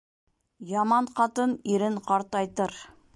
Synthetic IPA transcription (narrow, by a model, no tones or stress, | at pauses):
jɑmɑɴqɑt̪ɤniɾɘɴqɑɾt̪ɑjt̪ɤɾ